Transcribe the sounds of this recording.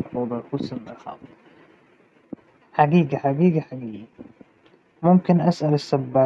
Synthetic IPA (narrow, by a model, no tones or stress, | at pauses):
ub̪ˤɑxusɪmːaxɑ̰ːt̪ˤ | ħaɡiːɡaħaɡiːɡaħaɡiːɡa | mʊmkɪnʔasʔalɪsːabːaː